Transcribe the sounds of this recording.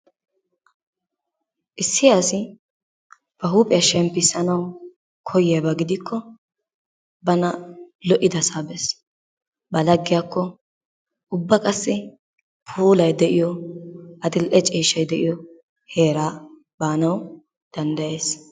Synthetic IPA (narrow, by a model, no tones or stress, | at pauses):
ʔɪsːɪjaːsɪ | b̥ɐɦuːpʼɪjɐʃɛmpːɪsɐnɐw | kʰɔjɪjɐbɐɡɪd̪ɪkʰːɔ | bɐnɐlɔʔɪd̪ɐsaːbɛs | bɐlɐɡːɪjakːɔ | ʊbːɐkʼɐsːɪ | pʰuːlɐjd̪ɛʔɪjɔ | ɐd̪ɪlʔɛt͡ʃʼiːʃɐjd̪ɛʔɪjɔ | he̞ːɾaː | baːnɐw | d̪̥ɐnd̪ɐjeːs